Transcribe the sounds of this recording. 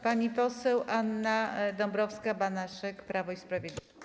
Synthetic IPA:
paɲipɔsɛwʔanːad̪ɔmbɾɔfskabanaʂɛkpɾʔavɔispɾavʲed̪lʲ

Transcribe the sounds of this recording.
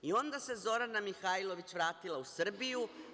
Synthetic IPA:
io̞nd̪ase̞zo̞ɾanamixailˠo̞ʋit͡ɕʋɾaːt̪ilˠausr̩biju

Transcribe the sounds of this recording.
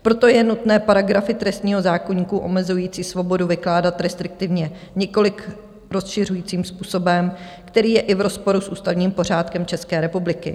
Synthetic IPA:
pɾo̞t̪o̞jɛnut̪nɛːpaɾaɡɾafɪt̪ɾɛst̪ɲiːɦo̞zaːkoɲiːkuʔo̞̰mɛzujiːt͡siːsvo̞bo̞duvɪklaːdat̪ɾɛst̪ɾɪk̚t̪ɪvɲɛ | ɲɛko̞lɪk | ɾo̞sʃɪr̝ujiːt͡siːmspuːso̞bɛm | kt̪ɛɾiːjɛʔɪvɾo̞spo̞ɾusʔṵːst̪avɲiːmpo̞ɾ̝aːt̪kɛmt͡ʃɛskɛːɾɛpublɪkɪ̰

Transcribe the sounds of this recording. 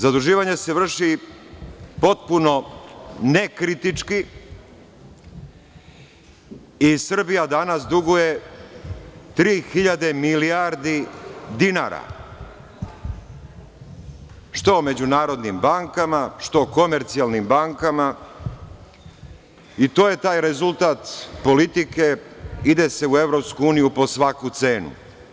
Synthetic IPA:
zad̪uʒiːʋaɲe̞se̞ʋr̩ʂi | po̞t̪̚puno̞ne̞kɾit̪it͡ʂki | isr̩bijad̪anasd̪uɡuje̞ | t̪ɾiːxiʎad̪e̞milijaɾd̪id̪ina̰ɾa̰ | ʃt̪o̞me̞d͡ʑunaːɾo̞d̪nimbaŋkamaʃt̪o̞ko̞me̞ɾt̪sialˠnimbaŋkama | it̪o̞ːje̞t̪aːjɾe̞zulˠt̪aːt̪po̞lit̪ike̞id̪e̞se̞ue̞ʋɾo̞pskuuːnijupo̞sʋakut̪se̞ːnṵ

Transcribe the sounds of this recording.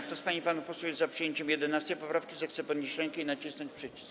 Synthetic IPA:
kt̪ɔspaɲipanupɔswɛjɛzzapʂɨjeɲt͡ɕɛmjɛd̪ɛnast̪ɛjpɔpɾafkʲizaxt̪sɛpɔd̪ɲiɕɾɛŋkɛinat͡ɕisnɔɲt͡ɕpʂɘt͡ɕi̥sk

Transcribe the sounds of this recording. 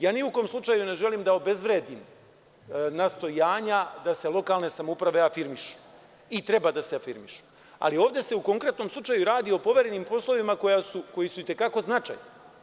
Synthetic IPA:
jaːniuk̪o̞ːmslˠut͡ʃajune̞ʒe̞liːmd̪ao̞be̞zʋɾeːd̪im | nast̪o̞jaːɲad̪ase̞lˠo̞kaːlˠne̞samoupɾaʋe̞afiɾmiʃu̥ | it̪ɾe̞bad̪aseafiɾmiʃu̥ | a̰lio̞ːʋd̪e̞se̞uko̞ŋkɾet̪no̞mslˠut͡ʃajuɾaːd̪io̞po̞ʋe̞ɾenimpo̞slˠo̞ʋimako̞jasuko̞jisuit̪e̞kako̞znat͡ʃa̰jna

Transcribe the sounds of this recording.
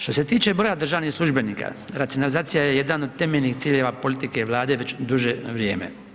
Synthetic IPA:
ʃt̪o̞se̞t̪iːt͡ʃe̞bɾoːjad̪r̩ʒaːʋnixslˠuʒbe̞niːka̰ | ɾat̪sijonalizaːt̪ijajeje̞d̪ano̞d̪̚t̪emeʎnixt̪siːʎeʋapo̞lit̪ikeʋlˠaːd̪e̞ʋe̞t͡ɕd̪uʒeʋɾjeːmḛ

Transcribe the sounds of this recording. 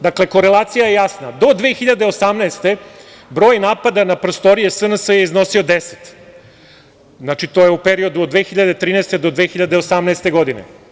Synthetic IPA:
d̪akle̞ko̞ɾe̞lˠaːt̪sijajejasnad̪o̞d̪ʋeːxiʎad̪e̞osamnaest̪e̞ | bɾo̞ːjnaːpad̪anapɾost̪o̞ɾijesənəsəjeizno̞sio̞d̪ese̥t̪ | znat͡ʃit̪o̞ːjeupeɾio̞d̪uod̪d̪ʋeːxiʎad̪e̞t̪ɾiːnɛest̪e̞d̪o̞d̪ʋexiʎad̪eosamnɛest̪e̞ɡo̞d̪inḛ

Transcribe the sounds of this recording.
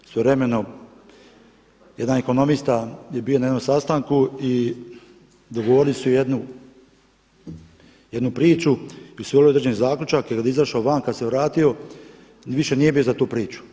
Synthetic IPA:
sʋeʋɾe̞me̞no | jed̪aneko̞no̞mist̪aje̞bionajed̪o̞msast̪aŋkui | d̪oɡoʋo̞ɾilisujed̪nu | jed̪nupɾiːt͡ʃuisʋolood̪ɾd͡ʒenizaːklʲut͡ʃakkad̪izaʃaoʋaːnkad̪seʋɾaːt̪io̞ | ʋiʃe̞nije̞bijozat̪uːpɾiːt͡ʃu̥

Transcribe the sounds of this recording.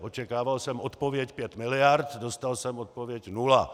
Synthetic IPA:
ʔot͡ʃɛkaːvalsɛmot̪povjɛcpjɛt̪mɪlɪjaɾt̪dost̪alsɛmot̪̚povjɛcnula

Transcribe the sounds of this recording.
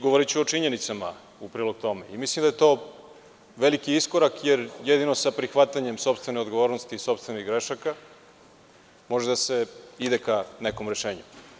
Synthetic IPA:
ɡoʋoɾit͡ɕuot͡ʂiɲe̞nit̪sama̰ | upɾiːlˠoɡ̚t̪o̞me̞imislimd̪ajet̪o̞ː | ʋe̞likiisko̞ɾakjeɾjed̪ino̞sapɾixʋat̪aɲe̞mso̞pst̪ʋeneod̪ɡo̞ʋo̞ːɾnost̪iːso̞pst̪ve̞niɣɡɾeʃaka | moʒed̪ase̞id̪ekaneko̞mɾe̞ʃe̞ːɲu

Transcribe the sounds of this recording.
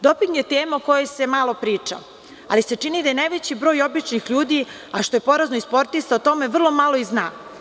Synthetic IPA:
d̪o̞piŋɡje̞t̪eːmauko̞jese̞malˠo̞pɾiːt͡ʂa̰ | a̰lise̞t͡ʂinid̪ajenajʋet͡ɕibɾo̞ːjo̞bit͡ʃnixʎuːd̪i | aʃt̪o̞je̞po̞ɾaznoispo̞ɾt̪ist̪aot̪o̞me̞ʋr̩lˠo̞malˠo̞izna̰ː

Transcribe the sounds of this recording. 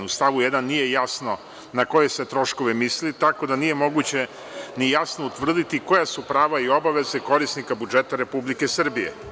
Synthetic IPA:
ust̪aʋujed̪anːije̞jasno̞ | nako̞je̞set̪ɾo̞ʃko̞ʋemislit̪ako̞d̪anijemo̞ɡut͡ɕe̞ | nijasnout̪ʋr̩d̪it̪iko̞jasupɾaːʋaio̞baʋe̞zeko̞ɾisnikabud͡ʒet̪aɾe̞publikesr̩bije̞̰

